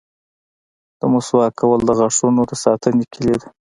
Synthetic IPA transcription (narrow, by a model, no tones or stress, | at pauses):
d̪̥əmuswɑkʰawəld̪əɣaʂunod̪əsɑt̪ənekʰiled̪a